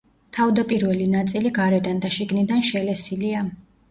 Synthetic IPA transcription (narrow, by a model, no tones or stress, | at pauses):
t̪ʰavd̪apʼiɾvɛlinat̪sʼiliɡaɾɛd̪and̪aʃiɡnid̪anʃɛlɛsilia